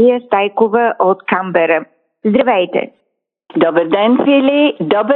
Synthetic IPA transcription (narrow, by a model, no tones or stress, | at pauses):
ijəst̪ajkovəʔot̪kambəɾə | zd̪ɾɐvɛjt̪ɛ̰ | d̪ɔbəɾd̪ɛnfilid̪ɔbə